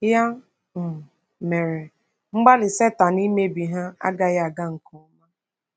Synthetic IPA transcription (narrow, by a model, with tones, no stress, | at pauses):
ja˦ | m̩˨ | me˨ɾe˨ | ŋ͡m̩˦ɡ͡ba˦lɪ˨se˦ta˨ni˦me˦bi˨ɦa˦a̰˦ɡa˦ja˦a˨ɡa˦ŋ̩˨kɔ˨˦ma˦